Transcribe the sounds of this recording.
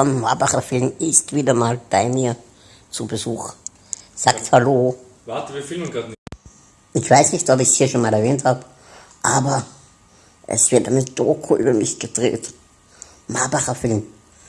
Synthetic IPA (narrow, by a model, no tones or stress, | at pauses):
fɔnmaɐbaχɐfɪlmɪstv̥iːdɐmaːlb̥aɪmiːɐ | t͡subəzuːx | z̥aːkthaloː | vaːtvifɪlməɡa | ʔɪçv̥aɪsnɪçtɔpɪçshiːɐʃoːnmaːlɛɐvɛːnthaːbə | ʔaːbɐ | ʔɛ̰sv̥ɪɐtʔa̰ɪnəd̥oːkʰuʔyːbɐmɪçɡ̥ədʁḛːt | maɐbaχɐfɪlm